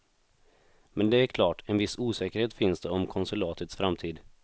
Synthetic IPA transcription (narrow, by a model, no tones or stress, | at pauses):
mɛnd̪ɛæɾkʰlɑːʈɛnvɪsuːsɛːkəɾheːt̪fɪnsd̪ɛɔmkʰɔnsɵlɑːt̪ət̪sfɾamt̪ʰiːd̪